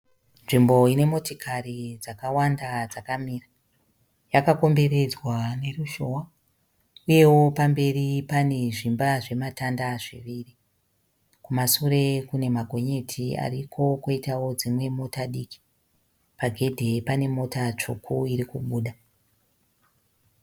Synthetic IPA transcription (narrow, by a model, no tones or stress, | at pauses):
nʐimbo̞ine̞mo̞tokʰarid͡zakawandad͡zakamiːra | jakako̞mbe̞ɾe̞d͡zwane̞ruʃo̞wa | uje̞wopambe̞ripane̞ʐimbaʐe̞matandaʐiʋiːri | kumasuɾe̞kune̞maɡʱo̞ɲe̞tʰia̰rikʰo̞koitawo̞d͡zimwe̞mo̞taɗiːki̥ | paɡʱe̞dʱe̞pane̞mo̞tat͡ʂukʰuiɾikuɓuːɗa